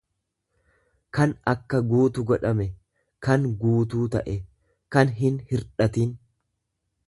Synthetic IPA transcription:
kɐnɐkːɐɡuːt̪ʊɡɔᶑɐmɛ | kɐŋɡuːt̪̬uːt̪ɐʔɛ | kɐnɦɪnhɪɾᶑɐt̪in

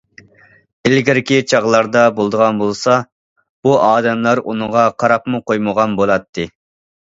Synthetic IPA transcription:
ɪlɡʲɪɾkʲit͡ʃʰɑʁlˠɑɾd̪ɑbolˠd̪əʁɑnbolˠsɑ | b̥uʔɑːd̪ɛmlˠɑɾṵnɨʁɑqʰɑɾɑpmuqʰojməʁɑnbolˠɑt̪ʰːɨ

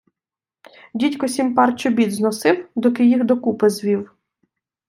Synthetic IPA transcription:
dʲitʲkɔsʲimpɑrt͡ʃɔbʲid̪znɔsɪwd̪ɔkɪjiɣd̪ɔkupɪzʋʲiw

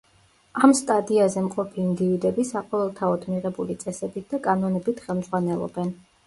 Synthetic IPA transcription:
amst̪ʼad̪iazɛmqʼɔpʰiːnd̪ivid̪ɛbisaqʼɔvɛlˠt̪ʰaɔd̪miʁɛbulit̪sʼɛsɛbit̪̚d̪akʼanɔnɛbit̪ʰχɛlˠmd̪zʁwanɛlˠɔ̰bɛn

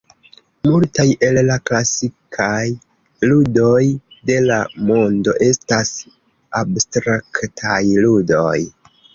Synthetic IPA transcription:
multaje̞llaklasikʰaj | ludo̞jde̞lamo̞ndo̞ʔe̞stas | abstɾaktʰajludo̞̰j

